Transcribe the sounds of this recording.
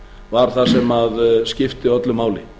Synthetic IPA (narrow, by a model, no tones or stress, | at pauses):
vaɾ̥θasɛmaðscɪft̪ɪœt̪lʏmaːwlɪ